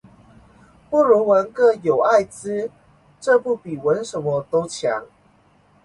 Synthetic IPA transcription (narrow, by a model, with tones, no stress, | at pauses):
pu˥˨ɻu˧˥wə˧˦nkɤ˥˧˩jo˨˩ʊa˥˨ɪt͡sɹ̩˦ | ʈ͡ʂɤ˥˧pu˥˩pi˨˩wə˨˦nʂə˧˦nmə˧t̪o˦˥ʊt͡ɕʰja̰˧˦ŋ